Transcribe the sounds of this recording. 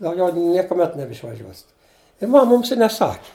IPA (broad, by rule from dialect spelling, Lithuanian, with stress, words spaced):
dɐʊˈɡʲɛʊ nʲiɛkʊˈmʲɛt nʲɛbʲɛɪʃʋɐˈʒʲuɔsʲɪt ɪ ˈmɐm ˈmʊms ɪ nʲɛˈsɑːkʲɪ